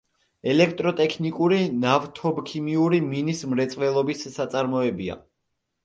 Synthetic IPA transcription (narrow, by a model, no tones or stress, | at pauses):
ɛlɛk̚ʰt̪ʼɾɔt̪ʼɛkʰnikʼuɾinavt̪ʰɔbkʰimiuɾiminismɾɛt̪sʼvɛlˠɔbisːat̪sʼaɾmɔɛbia̰